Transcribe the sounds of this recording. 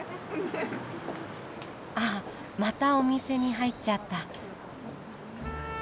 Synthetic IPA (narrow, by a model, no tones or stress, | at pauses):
a | mat̪ao̞mʲise̞ɲ̟iɦait͡ɕːat̪ːa